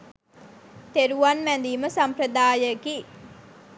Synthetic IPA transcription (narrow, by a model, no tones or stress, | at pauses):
t̪eɾuʋanʋænd̪iːməsampɾəd̪aːjəki